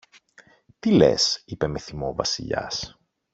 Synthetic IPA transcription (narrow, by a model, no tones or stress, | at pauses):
t̪ile̞̰sipe̞meθimo̞vɐsḭʎɐ̰s